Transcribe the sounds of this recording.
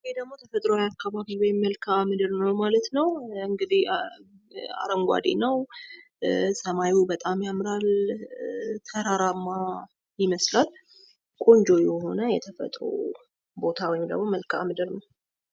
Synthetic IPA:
jed̪əɡmo̞t̪ʰəfət̪ʼɾojakːaβaβiwɔjmːəlkʰamɨd̪ɨɾnəwmalət̪nəwɨŋɡɨd̪ih | a̰ɾəŋɡʷa̰d̪ḛnəw | səmajwubət̪ʼamjamɾal | t̪ʰəɾaɾamːa | jɪməslal | kʼo̞nd͡ʒo̞jɛɦo̞nəjɛt̪ʰəfə̰t̪ʼɾo̰ | bo̞t̪ʰawɔjɪmd̪ə̰ɡmːo̞məlkʰa̰mɨd̪ɨɾnəw

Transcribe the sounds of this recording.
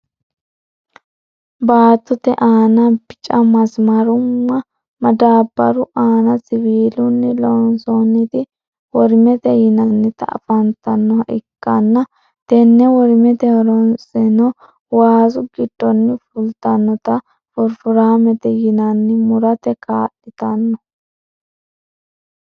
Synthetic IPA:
baːt̪ːʊt̪ɛʔaːnɐbɪt͡ʃʼɐmɐsmɐɾʊmːɐ | mɐd̪aːbːɐɾʊʔaːnɐsɪβiːlʊnːɛlɔɔnsɔnːɪt̪ɪ | wɔɾɪmɛt̪ɛjɪnɐnːɪt̪ɐ̰ːfɐnt̪ɐnːɔhɐʔɪkːɐnːɐ | t̪ɛnːɛwɔɾmɛt̪ɛhɔɾɔnsɛnɔ | waːzʊɡɪd̪̥ːɔnːɪfʊlt̪ɐnːɔt̪ɐ | fʊɾfʊɾaːmɛt̪ɛjɪnɐnːɪmʊɾɐt̪ɛkaːʔɪt̪ɐnːɔ

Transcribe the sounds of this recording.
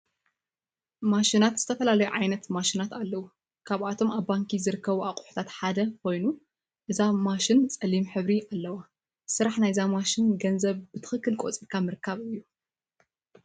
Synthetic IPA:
maʃinat̪z̥ɨt̪ʰɐfɐlalɐjuʕajnɐt̪maʃinat̪alːɐwu | kʰaβat̪ʰo̞maβːaŋkizɨɾɨkːɐβuakʼu̥ħu̥t̪ʰat̪ħad̪ɐkʰo̞jnu | ʔɨzamaʃɪnt͡sʼɐlimħɨβɾiʔalːɐwa | sɨɾaħnajzamaʃɪnɡɐnzɐβbɨt̪ʰɨ̥xɨkːɨlkʼot͡sʼiɾkʰamɨɾɨkʰːaβɨjːu

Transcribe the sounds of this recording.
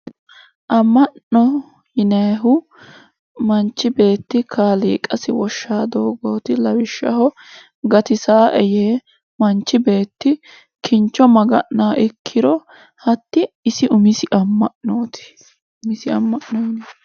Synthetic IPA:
ʔɐmːɐɔ | jɪnɐɦʊ | mɐnt͡ʃːɪbe̞ːt̪ːɪkʰaːlḭːkʼɐsɪwɔʃːaːd̪oːɡoːt̪ɪlɐwɪʃːɐ̰hɔ | ɡɐt̪ɪsaːʔɛjeː | mɐnt͡ʃːɪbe̞ːt̪ːɪ | kʰɪnt͡ʃːɔmɐɡɐʔːaːʔɪkʰːɪɾɔ | hɐt̪ːɪːsɪʔʊmɪsɪʔɐmːɐʔnoːt̪ɪ̥ | ʊmɪsɪɐmːɐʔnoːn

